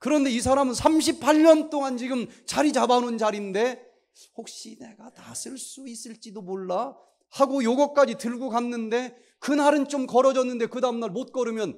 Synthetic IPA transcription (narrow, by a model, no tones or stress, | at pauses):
kɯɾʌnde̞is̬ʰaɾamɯnsʰamɕ̬ʰipʰaɭɲʌnt͈oŋant͡ɕiɡɯmt͡ɕaɾit͡ɕabanund͡ʑaɾinde̞ | hok̚ɕ͈ine̞ɡatasʰɯɭs͈uis͈ɯɭt͡ɕ͈idomoɭːa | haɡojoɡʌk͈ad͡ʑitɯɭɡokanːɯnde̞ | kɯnaɾɯnt͡ɕomkʌɾʌd͡ʑʌnːɯnde̞kɯdaɯmnaɭmot̚k͈ʌɾɯmjʌn